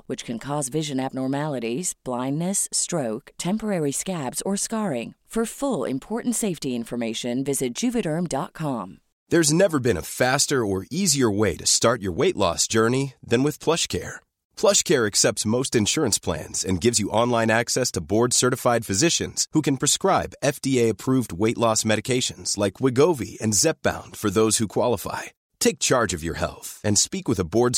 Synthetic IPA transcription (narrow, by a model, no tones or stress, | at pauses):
wɨt͡ʃkʰɨ̃nkʰɔzvɪʒɨ̃næb̚nɔɹmælˠəɾiz̥b̥lãɪ̃nːɨstɹ̥oʊktʰɛ̃mpə˞ɛɹiskæbz̥ə˞skɑɹɪ̃ŋfə˞fʊlˠɪ̰̃mpʰɔɹʔn̩tseɪftiɪ̃ɱfə˞meɪʃɨ̃nvɪzɨt̚d̥ʒ̥ʉvɨɾə˞mdɑt̚kʰɑ̃m | ðə˞znɛvə˞bɨ̃nə̰fæstə˞ə˞iziə˞weɪɾɨstɑɹt͡ʃə̰˞weɪʔlɔ̰sd̥ʒ̥ɜ˞niðɨ̃nwɨð̥pʰl̥ʌʃkʰɛ̰ɹ | pʰl̥ʌʃkʰɛɹɨksɛp̚tsmoʊstɨ̃nʃʊɹɨ̃nspʰl̥æ̰̃nz̥ɨ̃nɡɪvzjɨʔɑ̃nlãɪ̃næksɛstʰəbɔɹd̥sɜ˞ɾɨfaɪd̥fɨzɪʃɨ̰̃nz̥hukɨ̃npʰɹ̥ɨskɹaɪbɛfd̥ieɪɨpʰɹ̥uvd̚weɪʔˡlɔsmɛɾɨkʰeɪʃɨ̃nz̥laɪkʰwɪɡoʊvḭɨ̃nzɛp̚b̥ã̰ʊ̃nd̥fə˞ðoʊz̥hukʰw̥ɑlˠəfa̰ɪ | tʰeɪk̚t͡ʃʰɑɹd͡ʒʌvjə̰˞hɛ̰lˠθɨ̃nspikwɨðəbɔɹd